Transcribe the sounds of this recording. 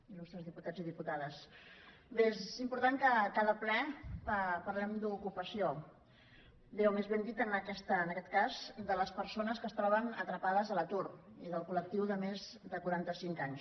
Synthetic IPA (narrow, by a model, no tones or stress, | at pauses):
ilust̪ɾəzðiput̪ad͡ziðiput̪aðəs | beezimpuɾt̪aŋkəkaðəplɛpəpəɾlɛmd̪ukupəsio | bewmezβend̪it̪ənəkɛst̪əːnəkɛt̪kazd̪ələspəɾsonəskəst̪ɾɔβ̞ənət̪ɾəpaðəzðələt̪uriðəlˠkulək̚t̪iwðəmezðəkuɾant̪əsiŋkaɲs